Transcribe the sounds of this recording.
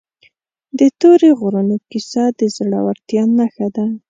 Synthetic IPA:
d̪ət̪oɾeɣʊɾunokisɑd̪əzɽa̰waɾt̪jɑnaxad̪a

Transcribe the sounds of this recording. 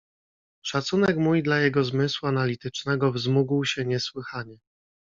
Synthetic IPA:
ʂat̪sunɛkmujd̪lajɛɡɔzmɘswuanalʲit̪ɘt͡ʂnɛɡɔvzmuɡwɕɛɲɛswɘxaɲɛ

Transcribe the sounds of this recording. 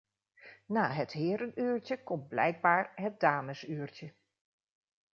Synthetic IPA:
naːɦətɦɪːɾənyːɹcəkɔmt̚blɛ̰jɡ̚baːɹɦət̚daːməsyːrcə

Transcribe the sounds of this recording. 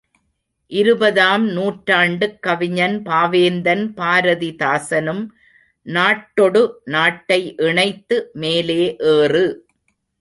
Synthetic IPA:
ʔɪɾɯbɐðaːmnuːʈɾaːɳɖɯkːɐʋɪɲɐnpaːʋeːnd̪ɐnpaːɾɐðit̪aːsɐnɯm | naːʈːɔɽɯnaːʈːɐɪʔɪɳɐɪt̪ːɯmeːleːʔeːrɯ

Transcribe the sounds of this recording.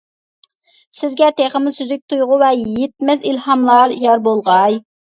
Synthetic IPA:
sɪzɡʲɛt̪ʰeχəmɨsyzyk̚ʲt̪ʰujʁʊwɛjet̪̚mɛzilhɑmlˠɑɾjɑɾbolˠʁɑj

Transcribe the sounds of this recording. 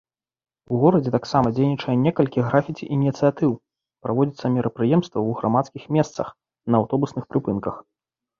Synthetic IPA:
uɣɔɾɐd͡zʲɛt̪aksamɐd͡zʲejnʲit͡ʂɐjɛnʲɛkɐlʲkʲiɣɾafʲit͡sʲiʔinʲit̪sɨjat̪ɨw | pɾavɔd͡zʲit̪sːɐmʲɛɾʔɐpɾɨjɛmst̪vɐwɣɾamat̪skʲixmʲɛst̪sɐx | nɐːwt̪ɔbusnɨxpɾɨpɨnkɐx

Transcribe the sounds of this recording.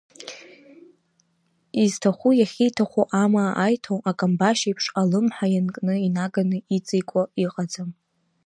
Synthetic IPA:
iztʰaχʷujaχʲijtʰaχʷuʔamaʔajtʰonakʼambaʃejpʰʂalɨmħajankʼnɨinaɡanɨit͡sʼikʷʼaiqʼad͡zam

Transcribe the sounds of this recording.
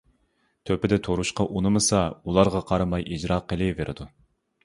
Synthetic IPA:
t̪ʰøpɪd̪ɛt̪ʰoɾuʃqɑʔunɨmɨsɑulˠɑɾʁɑqʰɑɾɨmɑjʔid͡ʒɾɑːqʰːəlˠɪveɾʔɪ̰d̪u

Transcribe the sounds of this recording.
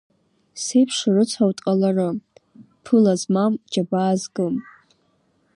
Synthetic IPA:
sejpʰʂrɨt͡sʷʰawtʼqʼalarɨ | pʰɨlazmamd͡ʒabaːzɡɨm

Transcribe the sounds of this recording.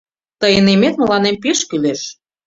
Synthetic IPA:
t̪əjənemet̪̚mə̆lɑnempeʃkyleʃ

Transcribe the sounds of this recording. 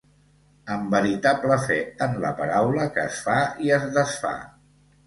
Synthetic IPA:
əmbəɾit̪abləfɛənlə̰pəɾawləkəːsfaiəzðəsfa̰

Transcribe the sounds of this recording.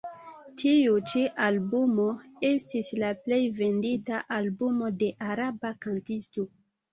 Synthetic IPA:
tʰiut͡ʃiʔalbumo̞e̞stislaple̞jve̞nditaʔalbumo̞de̞ʔaɾabakantisto

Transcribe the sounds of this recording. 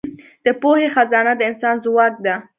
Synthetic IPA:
d̪̥əpohexazɑnad̪əɪnsɑnzwɑk̚d̪a

